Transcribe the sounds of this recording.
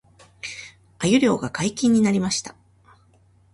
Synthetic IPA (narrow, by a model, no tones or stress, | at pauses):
ajɯ̟ɾʲo̞ːɡakaikʲĩɲ̟ːinaɾʲimaɕi̥t̪ḁ